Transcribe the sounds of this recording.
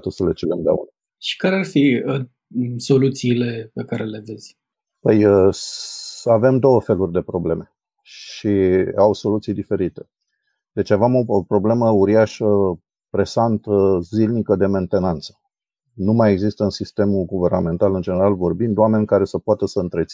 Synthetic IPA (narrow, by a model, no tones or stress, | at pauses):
t̪əsəlet͡ʃelemd̪a̰ṵn | ʃi̥kaɾearfiə | so̞lut̪siːle̞pekaɾe̞le̞ve̞z̥ʲ | pəjə | ave̞md̪o̞wəfe̞lurʲd̪e̞pɾo̞ble̞me̞ | ʃʃiawso̞lut̪sijd̪ife̞ɾit̪e̞ | d̪̥e̞t͡ʃavemo̞pɾo̞ble̞məuɾiaʃə | pɾe̞sant̪əzilnikəd̪e̞me̞nt̪e̞nant̪sə̥ | numajeɡzist̪əɨnsist̪e̞muɡuve̞rname̞nt̪alɨnd͡ʒe̞ne̞ɾalvo̞rbind̪wame̞nʲkaɾe̞səpoat̪əsəɨnt̪ɾe̞t̪si